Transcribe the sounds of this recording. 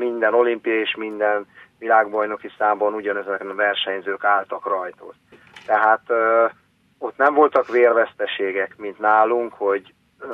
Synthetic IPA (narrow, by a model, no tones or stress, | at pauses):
mind̪ɛno̞limpijɒeːʃmind̪ɛnvilaːɡbɒjno̞kisaːmbɒnuɟɒnɛzɛk̪vɛrʃɛɲzøːkaːlt̪ɒkrɒjt̪o̰t | t̪ɛɦaːt̪ | o̞t̪nɛɱvo̞lt̪ɒkʋeːrvɛst̪ɛʃeːɡɛkmint̪naːluŋkho̞ɟ